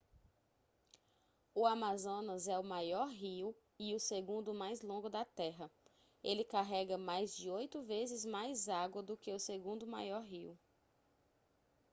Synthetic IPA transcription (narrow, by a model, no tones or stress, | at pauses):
ʊamazõnɐzɛʊmajɔɾɦiu | iʊseɡũnd̪ʊmajzlõŋɡʊd̪ɐt̪ɛɦɐ | elɪkaɦɛɡɐmajzd͡ʒɪojt̪ʊvezɪzmajzaɡwɐd̪ʊkɪʊseɡũnd̪ʊma̰jɔɾɦiu